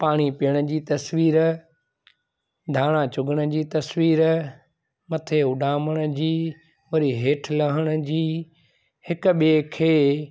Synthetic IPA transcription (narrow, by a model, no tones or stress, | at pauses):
paːɽ̃ipijəɽ̃ə̆d͡ʑiːt̪ɐsʋiːɾ | d̪ʱaːɽ̃ãt͡ɕʊɡəɽ̃ə̆d͡ʑiːt̪ɐsʋiːɾ | mɐt̪ʰeʊɖaːməɽ̃ʊ̆d͡ʑiː | ʋɐɾiɦeːʈʰlɐɦəɽ̃ʊ̆d͡ʑiː | hɪkʊ̆ɓekʰeː